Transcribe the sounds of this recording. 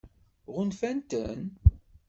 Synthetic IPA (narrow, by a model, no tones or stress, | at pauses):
ʁʊnfænt̪ən